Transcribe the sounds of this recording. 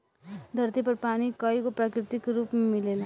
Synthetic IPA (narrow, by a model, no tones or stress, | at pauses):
d̪ʱʌrt̪ipʌrpanikʌjkoprakɾit̪ikrupmmilela